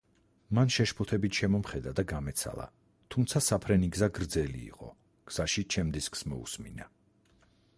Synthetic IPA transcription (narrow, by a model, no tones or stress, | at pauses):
manʃɛʃpʰɔt̪ʰɛbit̪ʰʃɛmɔmχɛd̪ad̪aɡamɛt̪sʰa̰lˠa̰ | t̪ʰumt̪sʰasapʰɾɛniɡzaɡɾd̪zɛlḭːqʼɔ̰ | ɡ̥z̥aʃit͡ʃʰɛmd̪isksmɔṵsmḭna